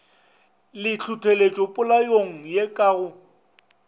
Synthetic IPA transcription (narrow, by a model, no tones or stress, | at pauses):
lɪt͡ɬʰʊtʰelet͡ʃʼɔpʼʊlajoŋ̩jekʼaɣʊ